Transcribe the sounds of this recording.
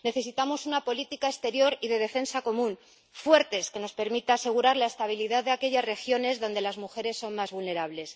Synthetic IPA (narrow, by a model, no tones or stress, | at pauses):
neθe̞sit̪amo̞sunapo̞lit̪ikaest̪e̞ɾjo̞ɾiðe̞ðe̞fe̞nsako̞mũn | fwe̞ɾt̪e̞ske̞no̞spe̞ɾmit̪aase̞ɣ̞uɾaɾlae̞st̪aβiliðaððeake̞ʎasre̞xjo̞ne̞zðo̞nd̪e̞lazmuxe̞ɾe̞sːo̞nmazβulne̞ɾaβle̞s